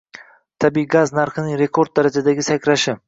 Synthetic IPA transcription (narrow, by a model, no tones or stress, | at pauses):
t̪ʰabiːiɡaznaɾχɨnɪŋɾe̞kʰo̞ɾd̪̚d̪aɾad͡ʒad̪aɡʲɪsakʲʰɾaʃɪ